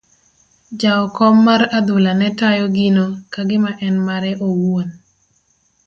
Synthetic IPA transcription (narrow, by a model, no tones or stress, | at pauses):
d͡ʒaɔkɔmːarad̪ʊlanɛtajɔɡinokaɡɪmaʔɛnmaɾɛʔowon